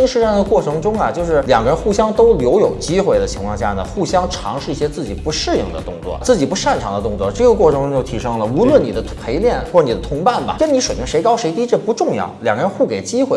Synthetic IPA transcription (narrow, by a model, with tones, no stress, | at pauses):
i˥ŋʂɻ̩˧˥ʂɑ˥˩d̪ə˩kwɔ˥˩ʈ͡ʂʰɤ˧˥ŋʈ͡ʂʊ˥ŋɐ˨t͡ɕjo˥˧ʊʂɻ̩˥˩ljɑ˨˩ŋɡə˧ɻə˧˥nxu˥˩ɕjɑ˥ŋt̪o˥ʊljo˧˥ʊjo˨˩ʊt͡ɕi˥xwe˥˩ɪd̪ə˩t͡ɕʰi˧˥ŋkʰwɑ˥˧ŋ˧ɕja̰˥˩nə˩xu˥˩ɕjɑ˥ŋʈ͡ʂʰɑ̰˧˥ŋʂɻ̩˥˧i˥˩ɕjɛ˥t͡sɹ̩˥˩t͡ɕi˨˩pu˧˥ʂɻ̩˥˧jḭ˥˩ŋd̪ə̰˩t̪ʊ̰˥˧ŋt͡swɔ̰˥˩t͡sɹ̩˥˩t͡ɕi˨˩pu˧˥ʂa˥˩nʈ͡ʂʰɑ˧˥ŋd̪ə˧t̪ʊ˥˧ŋt͡swɔ˥˧˩ʈ͡ʂɤ˥˩ɡə˩kwɔ˥˩ʈ͡ʂʰɤ˧˥ŋʊ˥ŋt͡ɕjo˥˩ʊt̪ʰi˧˥ʂɤ˥ŋlə˨u˧˥lwə˥˩nni˨˩d̪ə˦pʰe˧˥ɪljɛ˥˩nxwɔ˥˧ɻni˨˩d̪ə˦t̪ʰʊ˧˥ŋpa˥˩nbɐ̰˩kə˥nni˧˥ʂwe˨˩ɪpʰi˧˥ŋʂe˧˥ɪkɑ˥ʊʂe˧˥ɪt̪i˥ʈ͡ʂə˥˧pu˧˥ʈ͡ʂʊ˥˧ŋjɑ̰˥˩ʊljɑ˨˩ŋɡə˧ɻə˧˥nxu˥˩ke˨˩ɪt͡ɕi˥xwe˥˩